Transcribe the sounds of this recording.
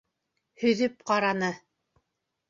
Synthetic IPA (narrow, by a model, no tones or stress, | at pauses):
hɵ̆ðɵp̚qɑɾɑnɤ